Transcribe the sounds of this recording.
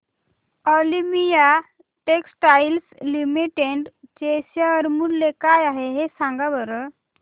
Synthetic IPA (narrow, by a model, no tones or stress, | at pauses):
ɔlimija | ʈeksʈajlslimiʈeɳɖt͡ɕesjaəɾmullekajaɦeɦesãŋɡabəɾə